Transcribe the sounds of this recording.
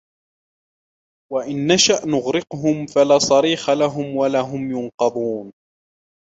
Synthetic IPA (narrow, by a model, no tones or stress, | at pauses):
waʔɪnːaʃaʔnʊɣɾɪqɦʊmfalaːsˤɑɾiːxalaɦʊmwalaːɦʊmjʊnqɑd̪ˤuːn